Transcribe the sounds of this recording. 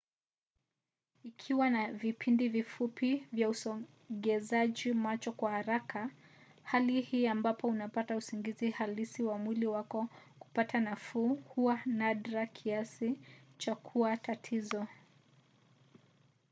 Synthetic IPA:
ikʰiwanavipindivifupivjausɔ | ɠɛzaʄimat͡ʃɔkwahaɾakʰa | halihiːambapɔunapatausiŋɡizihalisiwamwiliwakɔku̥patʰanafuːhuanadɾakʰiasit͡ʃakʰuatatʰizɔ

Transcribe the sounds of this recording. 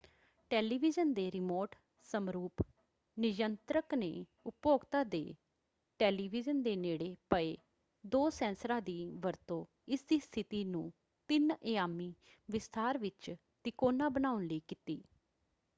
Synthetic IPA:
ʈɛːliːʋɪd͡ʒənd̪eːɾɪmoːʈ | səmɾuːp | nɪd͡ʒənt̪ɾəknḛː | ʊpoːɡt̪aːd̪ḛː | ʈɛːliːʋɪd͡ʒənd̪eːneːɽeːpəeː | d̪oːsɛ̃ːnsɾaːd̪iːʋəɾt̪õː | ɪsd̪iːst̪ʰɪt̪iːnũː | t̪ɪneːjaːmiː | ʋɪst̪ʰaːɾʋɪt͡ʃ | t̪ɪkoːnaːbənaːʊnləiːkɪt̪iː

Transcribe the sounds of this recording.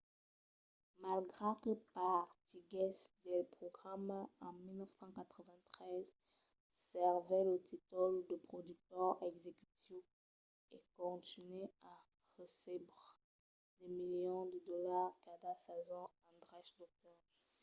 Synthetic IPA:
malɡʁekəpaʁt̪iɡɛsd̪ɛlpχɔɡʁamɑ̃milnəfsɑ̃kat̪χəvɛ̃t̪χɛz | sɛʁvɛlət̪ʰit̪ɔld̪əpχɔd̪yk̚t̪œʁɛɡzekyt̪iv | ḛkɔ̃t̪inɛa | ʁəsɛbʁ | d̪emiljɔ̃d̪əd̪ɔlaʁkad̪asazɔ̃ɑ̃d̪ʁaʃd̪ɔk̚t̪ɔ

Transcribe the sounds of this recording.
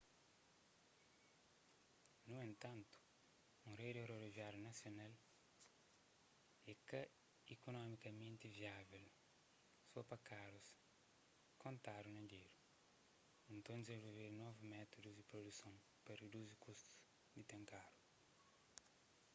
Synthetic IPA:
nuẽnt̪ɐ̃nt̪u̥ | ũrejd̪eɾoɾiviaɾjunɐsjonal | ɛkɐ | ikonɔmikɐmẽnt̪iviavel | suɐpɐkaɾus | kõnt̪aɾunɐɡeɾu | ĩnt̪õd̪ezẽvolveɾnɔvumɛt̪od̪uzd̪ipɾod̪usɐ̃w̃ | pɐred̪uzikust̪u̥ | d̪it̪ẽŋkaɾu

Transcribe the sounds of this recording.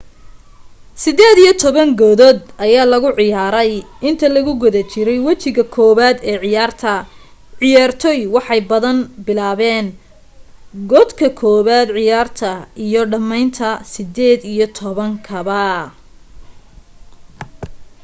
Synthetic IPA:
sɪd̪ɛːd̪ijɞt̪ʰɔβɐŋɡɔːðɔːd̪ɐjaːlɐɣʊʕɪjaːɾɛjʔɪnt̪ʰɐlɐɣʊɡɔðɐt͡ʃʰɪɾɛjwɐt͡ʃɪɣɐkʰɔːβaːd̪ɛːʕɪjaːrt̪ʰɐ | ʕɪjaːrt̪ʰɔjwɑħɑjbɐðɐnbɪlaːβɛːn | ɡɔd̪kʰɐkʰɔːβaːd̪ʕɪjaːrt̪ʰɐijɞɖɐmɛjnt̪ʰɐsɪd̪ɛːd̪ijɞt̪ʰɔβɐŋkʰɐβɐ

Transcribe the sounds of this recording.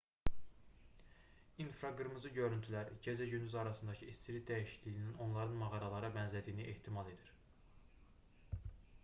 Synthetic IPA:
infɾɑɡɯɾmɯzɯɟø̞ɾynt̪ʰylæɾɟʰezæɟynd̪yzɑɾɑsɯnd̪ɑcʰɯist͡ʃʰiɾid̪æjiʃiclijinino̞nlˠɑɾɯnmɑɣɑɾɑlˠɑɾɯbænzlæd̪ijːniʔe̞ht̪ʰimɑlˠe̞d̪iɾ

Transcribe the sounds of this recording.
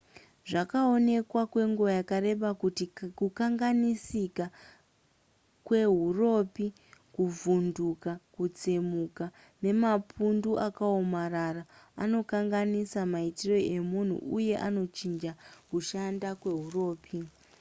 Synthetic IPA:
ʐakao̞ne̞kwakwe̞ŋɡuajakare̞ɓakutikukaŋɡanisika | kwe̞ɦuro̞pi | kuvundukakut͡semuka | ne̞mapunduʔakaomararaa̰no̞kaŋɡanisamaitiro̞e̞mun̤ṵʔuje̞ʔano̞t͡ʃind͡ʒakuʃandakwe̞ɦuro̞ːpʰi

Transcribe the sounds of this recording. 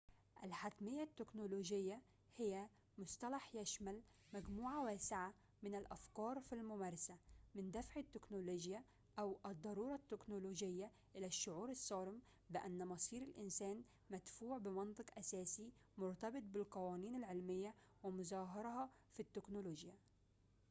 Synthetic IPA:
ʔalħat̪mɪjːat̪ːɪknoloːd͡ʒɪjːa | hɪjːa | mʊst̪ɑlaħjaʃmal | mæɡmuːʕawaːsɪʕa | mɪnɪlʔafkɑːɾˤfilmʊmæːɾˤɑsamɪnd̪afʕɪt̪ːɪknoloːʒja | ʔawʔɨd̪ˤːɑɾuːɾˤɑt̪ːɪknoloːʒɪjːa | ʔɪlaʃːʊʕuːɾɑsˤːɑːɾɪm | bɪʔanːmɑsˤiːɾɪlʔɪnsæːn | mad̪fuːʕbɪmɑnt̪ˤɨqʔasæːsimʊɾt̪ɑbɨt̪̚ˤbɪlqɑwɑːniːnɪlʕɪlmɪjːawɪmʊzaːɦɑɾˤhɑfit̪ːɪknʊloːʒja

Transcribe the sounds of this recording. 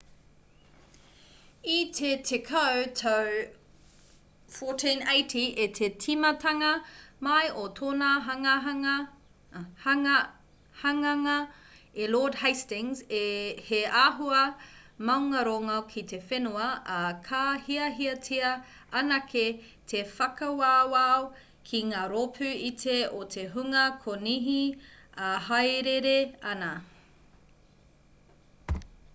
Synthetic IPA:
itʰetʰekʰɐwtʰɐw | fotʰĩnejtʰiʔetʰetʰimɐtʰɐŋɐmɐjʔotʰoːnaɦŋ | h | hɐŋɐŋɐ | eloːdhajstɪ̃ŋzeheaːɦuɐmɐwŋɐɾoŋɐwkʰitefenuɐɐkʰahiɐɦiɐtʰiɐ | ɐnɐkʰe | tʰefɐkɐwaːwao | kʰiŋaːɾopʰʉitʰeotʰeɦuŋɐkʰoniɦiahɐjɾeɾeɐnɐ

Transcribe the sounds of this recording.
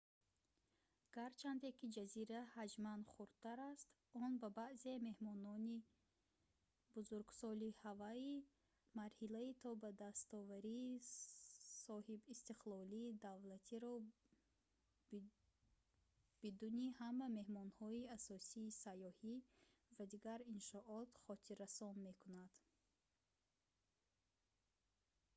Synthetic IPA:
ɡ̥aɾt͡ʃʰand̪ekid͡ʒaziɾahad͡ʒmanχuɾd̪̥̚t̪aɾast̪ | ɔnbabaʔze̞me̞hmɔnɔni | b̥uzuɾɡsɔlihavai | maɾhilait̪ʰɔbad̪ast̪ɔvaɾiː | sɔhibist̪iqlɔliːd̪avlat̪ʰiɾɔ | b̥id̪unihamːame̞hmɔnhɔiasɔsiːsajɔhivad̪iɡaɾinʃɔʔɔt̪χɔt̪ʰiɾasɔnme̞kʰunad̪̥

